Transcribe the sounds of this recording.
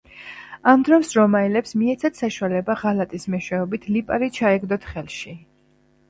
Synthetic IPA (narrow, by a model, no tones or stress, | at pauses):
amd̪ɾɔmsɾɔmaɛlɛpsmiɛt̪sʰat̪saʃualɛbaʁalat̪ʼismɛʃwɛɔbit̪ʰlipʼaɾit͡ʃʰaɛɡd̪ɔt̪ʰχɛlˠʃi